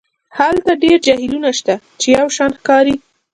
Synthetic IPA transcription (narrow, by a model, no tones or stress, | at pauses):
halt̪aɖeɾd͡ʒahilunaʃt̪a | t͡ʃejawʃɑnxkɑɾi